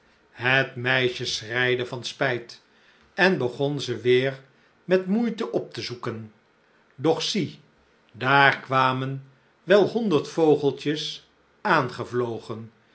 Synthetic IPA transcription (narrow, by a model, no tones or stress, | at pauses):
ɦətmɛjʃəsrɛjdəvɑnspɛjt | ɛnbəχɔnzəʋɪːr | mɛtmujtəʔɔp̚təzukən | dɔχsi | daːɹkʋaːmən | ʋɛlˠhɔndəɹtfowχəlˠt͡ʃəs | aːnχəvlowχən